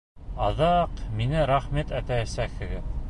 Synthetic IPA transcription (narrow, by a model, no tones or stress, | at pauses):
ɑðɑqminɘɾɑχmit̪æt̪ææsækhɘ̆ɡɘ